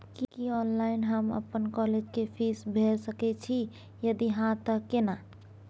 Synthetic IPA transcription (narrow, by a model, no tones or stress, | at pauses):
kikiɔːnlaɪnɦəmə̰pːənkɔled͡ʒkepʰisbʱeɾsəkɛt͡ʃʰi | jəd̪iɦãt̪əkːena